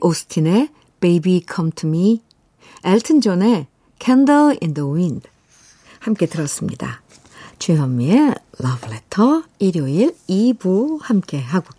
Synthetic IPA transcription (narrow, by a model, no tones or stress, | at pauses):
ʔosʰɯ̥tʰine̞ | pejbikʰʌmtʰumi | eɭtʰɯnd͡ʑone̞ | kʰandɯlindəwind | hamk͈e̞tɯɾʌs͈ɯmɲida̰ | t͡ɕeɦʌmːielʌbɭetʰʌiɾjoiɭibuhamk͈e̞ɦaɡo